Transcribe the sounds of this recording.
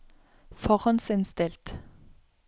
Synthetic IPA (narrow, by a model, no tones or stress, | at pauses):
fɔʁɑnsɪnst̪ɪlt̪